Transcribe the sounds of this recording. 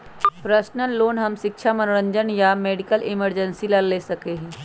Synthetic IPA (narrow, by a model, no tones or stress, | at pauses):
pɾəsnəlːoːnɦɐmʃɪkʃʰamɐnʊɾə̃ɲd͡ʒənjameːɖɪkəlɪməɾd͡ʒə̃nsiləlːeːsɐkeɦɛ̃ː